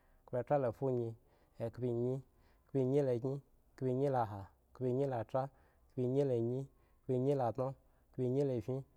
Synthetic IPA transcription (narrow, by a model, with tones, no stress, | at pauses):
kbʲe˧tɾa˦lo˨fu˦ɲi˧ | e˨kbʲi˧ɲi˦ | kbʲi˧ɲi˦le˧ɡi˦ | kbʲi˧ɲi˦la˧ɦa˨ | kbʲi˧ɲi˦la˨tɾa˦ | kbʲi˧ɲi˦le˨ɲi˦ | kbʲi˧ɲi˦la˨tno˦ | kbʲi˧ɲi˦le˨vʲi˦